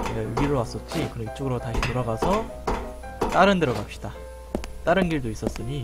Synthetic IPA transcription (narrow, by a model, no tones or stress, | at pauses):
jeuɡiɾɯɭwas͈ʌt͡ɕ͈ikɯɾʌmit͡ɕ͈oɡɯɾotaɕʰinoɾʌɡasʰʌ | t͈aɾɯndeɾʌɡap̚ɕ͈i̥d̥a | t͈aɾɯnɡiɭdois͈ʌs͈ɯɲi